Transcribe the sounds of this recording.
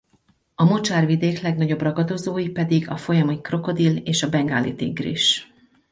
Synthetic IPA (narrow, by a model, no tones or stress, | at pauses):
ɒmo̞t͡ʃaːrʋid̪eːklɛɡnɒɟo̞brɒɡɒd̪o̞zoːjipɛd̪iɡɒfo̞jɒmikro̞ko̞d̪ileːʃɒbɛŋɡaːlḭt̪ḭŋɡrḭʃ